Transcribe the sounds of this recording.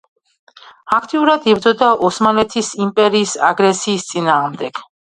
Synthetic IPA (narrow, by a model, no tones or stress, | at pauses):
akʰt̪ʼiuɾad̪ibɾd̪zɔd̪aʔɔsmanlɛt̪ʰisimpʼɛɾiːsa̰ɡɾɛsiːst̪sʼinaːʁmd̪ɛɡ̥